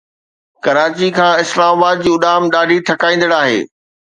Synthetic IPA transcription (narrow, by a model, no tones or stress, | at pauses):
kɐɾaːt͡ɕikʰãːɪslaːmabaːd̪̚d͡ʑiːʊɗaːmɗaːɖʱiʈʰɐkãːĩːn̆d̪əɽaːɦḛː